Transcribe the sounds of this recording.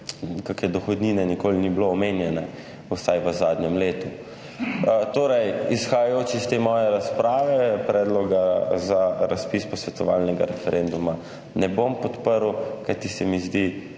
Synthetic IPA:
kakɛd̪ɔxɔd̪niːnɛnikoːlinibloɔmenjɛnɛ | usajʋəzaːd̪njɛmleːt̪u | t̪oːɾɛjisxajajoːt͡ʃist̪eːmɔːjɛɾaspɾaːʋɛpɾɛːd̪lɔɡazaɾaspispɔsʋɛt̪ɔʋaːlnɛɡa̰ɾɛfɛɾɛnd̪uma | nɛbompɔt̪pəɾwkajt̪isɛmizd̪i

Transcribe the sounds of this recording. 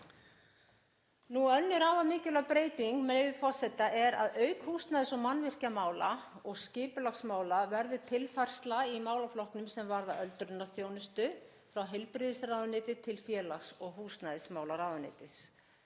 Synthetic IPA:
nuœnːʏɾaːvamɪːcɪlapɾeːjt̪iŋkmevɪfɔr̥sɛt̪ːaʔɛɾa̰ðœɥkhuːst̪naːðɪsɔmanːvɪr̥camaːwlaɔɣscɪːpʏlaxsmaːwlavɛɾðʏt̪ʰɪlfajr̥st̪laimaːwlaflɔhknʏmsɛmvaɾðaʔœlt̪ɾʏnːaθjoːwnʏst̪ʏ | fɾawɦɪlpɾɪðɪsraːwðʏnɪːt̪ɪt̪ʰɪlfjɛːlaxsɔɣɦuːst̪najðɪsmaːwlaɾaːwðʏnɪ̰ːt̪ɪs

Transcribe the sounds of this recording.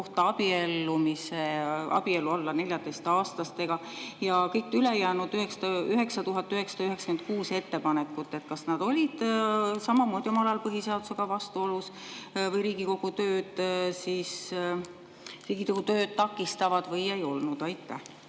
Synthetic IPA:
oht̪ɑɑb̥ie̞lːumiseɑ̰b̥ie̞luɑlːɑne̞lʲjɑd̪est̪ɑːst̪ɑst̪e̞ɡ̥ɑjɑkɤjk̚t̪ːyle̞jæːnud̪̥yɦeksɑd̪ɑyɦe̞ksɑt̪uɦɑt̪ːyɦe̞ksɑ̥d̪ɑyɦe̞ksɑ̥ke̞nt̪̚kuːse̞t̪ːe̞pɑnekːˑut̪ːˑe̞t̪̚kɑsnɑd̪̥o̞lʲid̪̥sɑmɑmo̞ːd̪io̞mɑlɑjɑlpɤɦise̞ɑd̪̥u̥seɡ̥ɑvɑst̪uo̞lus | vɤjɾiːɡ̥iko̞ɡ̥ut̪ø̞ːd̪̥siːs | riːɡ̥ikoɡ̥ut̪øːd̪̥̚t̪ɑkːˑist̪ɑvɑd̪̥vɤje̞jo̞lnud̪̥ɑjt̪ːæh

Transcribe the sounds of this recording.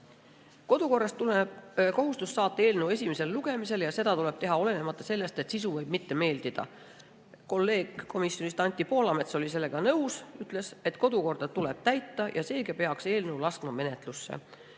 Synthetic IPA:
ko̞d̪uko̞rːɑst̪ːulebko̞ɦust̪usːɑːt̪ːˑee̞ːlnewe̞sʲimese̞lːuɡ̥e̞mise̞ljɑse̞d̪ɑt̪ule̞b̥̚t̪e̞ɦɑo̞le̞ne̞mɑt̪ːˑɑse̞lːe̞st̪et̪sis̬uvɤjb̥̚mit̪ːe̞me̞ːld̪̥id̪̥ɑ̰ | ko̞lːe̞ːɡ̥ko̞misjo̞nʲist̪ɑnʲt̪ːˑipo̞ːlɑme̞t̪so̞lʲis̬e̞lːe̞ɡ̥ɑnɤuwsyt̪ˑle̞se̞t̪ˑko̞d̪uko̞rd̪̥ɑt̪ule̞b̥̚t̪æjt̪ːɑjʔɑse̞ːɡ̥ɑpe̞ɑkse̞ːlne̞wlɑsk̪mɑme̞ne̞t̪lusːḛ

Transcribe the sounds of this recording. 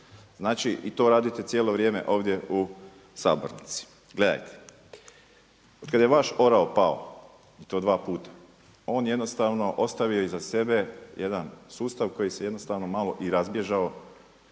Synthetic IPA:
znaːt͡ʃiʔit̪o̞ːɾaːd̪ujet̪et̪jeːlˠo̞ʋɾjeːmḛʔo̞ːʋd̪je̞u | sa̰ːbo̰ɾnit̪si̥ | ɡle̞d̪a̰jt̪ʰe̥ | ot̪kad̪jeʋaʃo̞ɾaopao̰ | it̪o̞ːd̪ʋaːpuːt̪ḁ | o̞ːnjed̪nost̪aʋno̞ʔo̞st̪aʋio̞izase̞be̞jʔed̪ansuːst̪aʋko̞jisejed̪nost̪aʋno̞maːlˠo̞ʔiɾazbje̞ʒao

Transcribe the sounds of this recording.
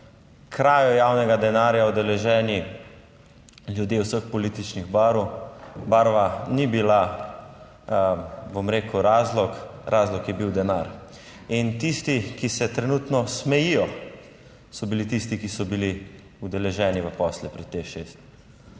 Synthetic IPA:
kɾaːjɔjaːwnɛɡad̪ɛnaːɾjaud̪ɛlɛʒɛːni | ljud̪jeːwsəxpɔliːt̪it͡ʃniɣbaɾubaɾʋanibila | bomɾeːkuɾaːzlɔkɾʔaːzlɔkjɛbiwd̪ɛnaɾ | int̪ist̪ikisɛt̪ɾɛnut̪nɔsmɛjijɔ | sɔbilit̪ist̪ikisɔbili | ud̪ɛlɛʒɛːniʋəpɔːslɛpɾɛt̪ːexʃeːst̪

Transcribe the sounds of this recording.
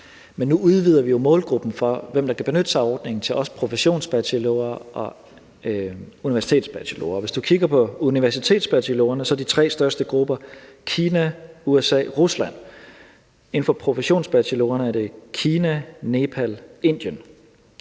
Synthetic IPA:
menːuuð̞ˠʋið̞̰ˠɐʋijo̝mɔ̽ːlɡ̥ʁub̥n̩fɒ̽ʋem̰d̥ɑ̈kʰæb̥e̝nød̥əsɑ̈ɪɒːd̥ne̝ŋn̩t͡sʰe̝lʔɒ̽sə̥pʰʁo̝fəɕo̝̰ːnsb̥æt͡sʰilo̰ɐɒ̽ | uniʋæɐsi̥t͡sʰe̝̰ːd̥sb̥æt͡sʰilo̰ɐːʋe̝sd̥ukʰiɡ̥ɐpʰɒ̽uniʋæɐsit͡sʰe̝̰ːd̥sb̥æt͡sʰilo̝ɐnəsɒ̽æd̥it͡sʰʁɛ̰ːsd̥ɶɐsd̥əɡ̥ʁub̥ɐkʰiːnæuesɛ̰ːʁuslæn̰ | e̝n̩fɒ̽pʰʁo̝fəɕo̝̰ːnsb̥æt͡sʰilo̝̰ːɐnəæɐd̥e̝kʰiːnæne̝pʰæle̝n̰d̥jən

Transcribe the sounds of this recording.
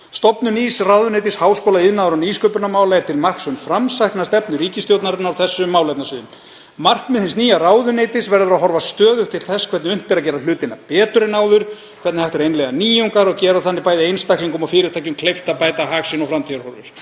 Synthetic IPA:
st̪ɔpnʏniːsrawðʏnejt̪ɪshaːwskoːlaɪðnaðɾɔniːskœːpʏɾnamaːwlajɪɾ̥t̪ʰɪlmar̥ksʏmfɾamsajhknast̪ɛpnʏɾiːcɪst̪jowt̪naɾɪnaawθɛsːʏmːaːwlajt̪nasɪːðʏm | mar̥kmɛðθɪnsniːjaraːwðʏneːjt̪ɪsvɛɾðʏɾaðɦɔɾvast̪œːðʏt̪ʰɪlθɛskʰvɛɾt̪nɪʏm̥t̪ɪɾaðcɛːɾal̥ʏːt̪ɪnːapɛːt̪ʏɾɪnaːwðʏɾ̥ | kʰvɛt̪nɪhajht̪ɛɾejnlɛɣaniːjuŋkaɾɔɣcɛːɾaθanːɪpaːjðɪejnst̪aklɪŋkɔmafɪːɾɪɾ̥t̪ʰajcʏmkʰlejft̪apaːjt̪aɦaːksɪnɔfɾamt̪ʰiaɾhɔɾvʏ̰ɾ̥

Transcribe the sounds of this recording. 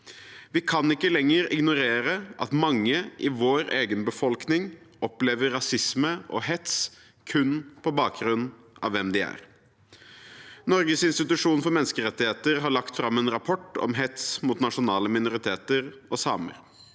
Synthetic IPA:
ʋɪkʰɑnɪkːəlɛŋːəɾɪɡnʊɾeːɾəʔɑ̰t̪mɑŋːəʔɪʋoːɾeːɡənbəfɔlknɪŋɔpleːʋəɾːɑsɪsməʔɔ̰ɦɛt̪s | kʰʉnːpʰɔbɑːk̚ɡɾʉnː | ɑ̰ʋːɛmd̪ɪæ̰ɾ | nɔɾɡəsɪnst̪ɪt̪ʉʂuːnfɔɾmɛnskəɾɛt̪ːɪheːt̪əɾɦɑɭɑkt̪fɾɑmːɛːnɾɑpʰɔʈːɔ̰mɦɛt̪smuːt̪nɑʂʊnɑːləmɪnʊɾɪt̪ʰeːt̪əɾɔsɑːmə̰ɾ

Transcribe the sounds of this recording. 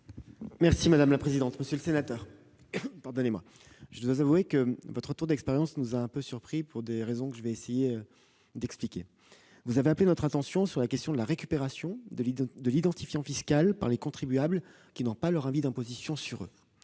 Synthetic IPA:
mɛʁsimad̪amlapχezid̪ɑ̃t̪məsjøləsenat̪œːʁ | paʁd̪ɔnemwa̰ | ʒəd̪wazavuekəvɔt̪χət̪uʁd̪ɛkspeʁjɑ̃snuzaɛ̃pøsyʁpχipuʁd̪eʁezɔ̃kəʒəvɛːsejeø | d̪ɛksplikʲe | vuzaveaplenɔt̪χɛ̃t̪ɑ̃sjɔ̃syʁlakʲɛst̪jɔ̃d̪əlaʁekʲypeʁasjɔ̃d̪əd̪əlid̪ɑ̃t̪ifjɑ̃fiskalpa̰ʁlekɔ̃t̪χibyabl | kʲinɔ̃palœʁɛ̃vid̪ɛ̃pozisjɔ̃syʁø̰

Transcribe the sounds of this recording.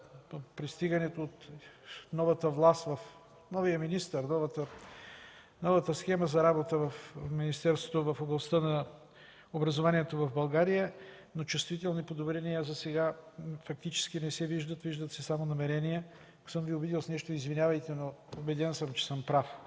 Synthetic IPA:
pɾist̪iɡɐnɛt̪oːt̪nɔvɐt̪əvlˠast̪vɐf | nɔvijəminist̪əɾnɔvət̪ə | nɔvət̪əsxɛməzɐɾabot̪əvɐfminist̪ɛɾst̪vot̪ovɐfoblˠɐst̪ənɐ | obɾɐzovaniɛt̪ovɐvbɐlˠɡaɾijə | not͡ʃʊst̪vit̪ɛlˠnipod̪obɾɛniazɐsɛɡafɐk̚t̪it͡ʃɛ̥sk̟inɛsɛviʒd̪ət̪viʒd̪ət̪sɛsamonɐmɛɾɛnijɛ | ko̥sɤmviʊbid̪ilˠsnɛʃt̪oizvinʲjavɐjt̪ɛnoʊbɛd̪ɛnsəmt͡ʃɛ̥səmpɾaf

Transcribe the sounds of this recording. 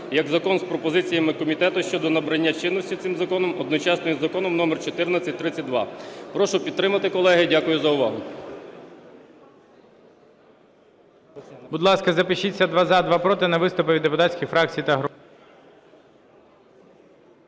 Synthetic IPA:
jɐɡzɐkɔnspɾɔpɔzɪt͡sʲijɐmɪkɔmʲit̪ɛt̪ʊʃt͡ʃɔd̪ɔnɐbɾɐnʲːat͡ʃɪnːɔsʲtʲit̪sɪmzɐkɔnɔmɔd̪nɔt͡ʃɑsnɔjizɐkɔnɔmnɔmɛrt͡ʃɔt̪ɪrnɐt͡sʲɐtʲt̪ɾɪt͡sʲɐt̚ʲd̪ʋɑ̰pɾɔʃʊpʲid̪t̪ɾɪmɐt̪ɪkɔlˠɛɦɪdʲakʊjʊzɐʊʋɑɦʊ | bʊd̪lˠɑskɐzɐpɪʃit͡sʲːɐd̪ʋɑzɑd̪ʋɑpɾɔt̪ɪnɐʋɪst̪ʊpɪʋʲid̪ːepʊt̪ɑt͡sʲkʲixfɾɑk̚t͡sʲijt̪ɐɦɾ

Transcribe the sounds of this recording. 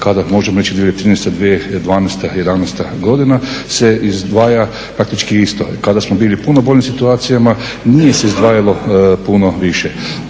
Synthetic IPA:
kad̪amo̞ʒemoɾe̞t͡ɕid̪ieet̪ɾiːnest̪ad̪ʋied̪ʋaːnest̪aje̞d̪anɛst̪aɡo̞d̪inase̞izd̪ʋaːja | pɾak̚t̪it͡ʃkiist̪o̰kad̪asmobiːlipunobo̞ʎʲimsit̪uaːt̪sijama | nije̞se̞izd̪ʋaːjalopuno̞ʋiʃe

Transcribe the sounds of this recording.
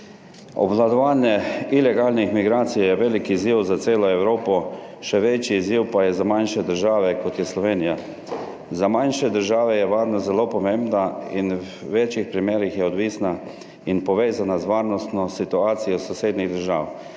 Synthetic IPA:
ɔ̰blad̪ɔʋaːnjɛilɛɡaːlnixmiɡɾaːt̪sijjɛʋeːlikiziwzaseːlɔɛwɾoːpɔ | ʃɛʋet͡ʃiːziwpajɛzamajnʃɛd̪əɾʒaːʋɛkɔt̪jɛslɔʋeːnija | zamajnʃɛd̪əɾʒaːʋɛjɛʋaːɾnɔzɛloːpɔmẽmbnainw | ʋeːt͡ʃixpɾimeːɾixjɛɔd̪ʋiːsna | inpɔʋeːzanazʋaːɾnɔst̪nɔsit̪uaːt̪sijɔsɔseːd̪niɣd̪əɾʒaːw

